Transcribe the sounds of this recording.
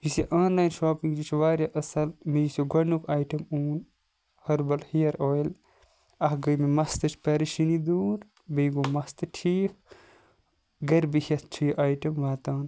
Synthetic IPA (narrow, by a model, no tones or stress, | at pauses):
jisiʔaːnlaːjnʃoːpiŋɡd͡ʒit͡ʃʰʋaːɾʲjaʔɐsɐlmijisoɡɐnukʰaːjʈɐmuːn | hɐɾbɐlhijɐɾoːjl | ɐhɡəjmimɐst̪ɨt͡ʃʰpɐɾiʃinid̪uːɾ | biɡomɐst̪ɨʈʰiːk̚ | ɡɐɾbihʲɐt̪t͡ʃʰijiʔaːjʈɐmʋaːt̪aːn